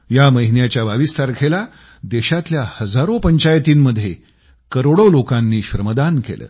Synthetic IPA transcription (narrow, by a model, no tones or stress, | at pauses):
jaməɦinjat͡ɕjabaʋist̪ʰaɾkʰela | d̪eɕat̪ljahəd͡zaɾopəɲt͡ɕajt̪iːnməd̪ʱje | kəɾoɽolokãnːiːɕɾəməd̪ankḛlə̰ː